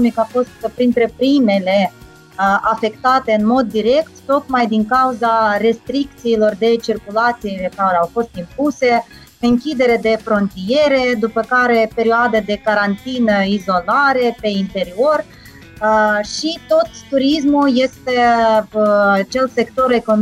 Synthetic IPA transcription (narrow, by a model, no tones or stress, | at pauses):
omikafo̞st̪pɾint̪ɾe̞pɾime̞le̞ | afe̞kt̪at̪e̞ɨnmo̞d̪ːiɾe̞kt̪ːo̞k̪majd̪iŋkauzaɾe̞st̪ɾik̚t̪siːlo̞rd̪e̞t͡ʃirkulat̪silekaɾeawfo̞st̪impuse̞ | ɨŋkʲid̪e̞ɾe̞d̪e̞fɾo̞nt̪ije̞ɾe̞d̪upəkaɾe̞pe̞ɾioad̪əd̪e̞kaɾant̪inəizo̞laɾe̞pe̞int̪e̞ɾio̞r | ʃit̪o̞t̪ːuɾismulje̞st̪e̞ | t͡ʃe̞lse̞kt̪o̞ɾe̞kon